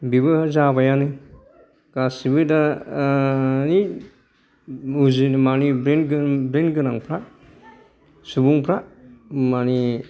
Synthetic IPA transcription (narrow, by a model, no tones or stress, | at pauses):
bibɯzabajanɯ | ɡ̥asibɯda | ni | uzinmanibɾenɡbɾenɡɯnaŋpʰɾa | subuŋpʰɾamani